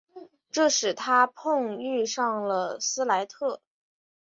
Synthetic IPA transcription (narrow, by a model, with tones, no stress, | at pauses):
ʈ͡ʂɤ˥˩ʂɻ̩˨˩t̪ʰa˥pʰʊ˥˧ŋy˥˧ʂɑ˥˩ŋlə˩sɹ̩˥la˧˥ɪt̪ʰɤ˥˩